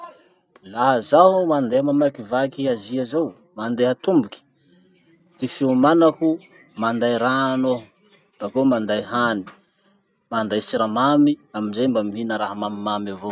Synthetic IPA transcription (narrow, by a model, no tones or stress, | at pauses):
laɦzaɦumand̪eɦamamakivakiaziazow | mand̪eɦat̪umbuki̥ | t̪ifiumanaku | mand̪ajɾano | b̪̥akomand̪ajɦani̥ | mand̪ajt͡ʃiɾamamiaminzajmbamiɦinəɾaɦamamimamavo